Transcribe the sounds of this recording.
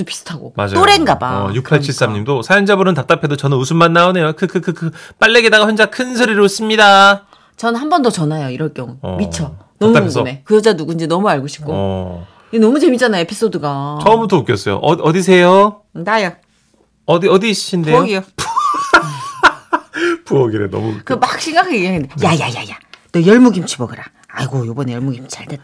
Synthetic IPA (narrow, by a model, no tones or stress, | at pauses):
dopi̥s͈ʰɯ̥tʰaɡo̰ma̰d͡ʑaoɾenɡaba̰juk̚pʰaɭt͡ɕʰiɭs͈amɲimdosʰajʌnd͡ʑabɯɾɯntap̚t͈apʰe̞dot͡ɕʌnɯnusʰunmanːaone̞jokʰɯkɯɯkɯp͈aɭːe̞ɡe̞daɡaɸjʌnd͡ʑakʰɯnsʰɯɾiɾɯus͈ɯmɲida | t͡ɕʌnnɦambʌndʌt͡ɕʌnajoiɾʌɭk͈jʌŋṵmit͡ɕʰʌ | nʌmuuɡne̞kɯjʌd͡ʑanuɡund͡ʑinʌmuaɭɡoɕʰi̥p̚k͈o̰ | ienʌmut͡ɕe̞mit͡ɕ͈anajoepʰis͈odɯɡat͡ɕʌmutok͈jʌs͈ʌjo̰ʔʌʌdis̬ʰe̞jo | najʌ | ʌdiʌdisɕʰindeuʌɡijop | puʌɡiɾḛnʌ̰mṵkɯmak̚ɕ͈ʰiŋɡakʰaniaŋindejaja̰ja̰janʌjʌɭmuɡimt͡ɕʰibʌɡɯɾa̰ | a̰iɡojobʌnejʌɭmuɡimt͡ɕʰiaɭde